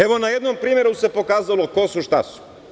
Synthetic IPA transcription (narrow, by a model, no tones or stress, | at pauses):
eʋo̞najed̪nompɾiːmje̞ɾuse̞po̞kaːzalo̞ko̞suʃt̪asu̥